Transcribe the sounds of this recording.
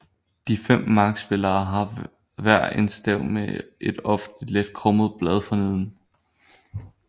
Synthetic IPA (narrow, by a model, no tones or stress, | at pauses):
d̥ifem̰mɑ̈ːɡ̥sb̥e̝lɐːɦɑ̈ | ʋæɐ̰ensd̥ɛʊ̰meʔe̝d̥ɒ̽fn̩d̥iled̥̚kʰʁɔ̽mð̞̩ˠb̥lɛð̞ˠfɒneð̰ˠn̩